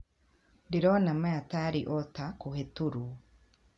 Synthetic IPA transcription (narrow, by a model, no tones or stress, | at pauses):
diɾɔnamaataɾiʔɔtakuhetuɾu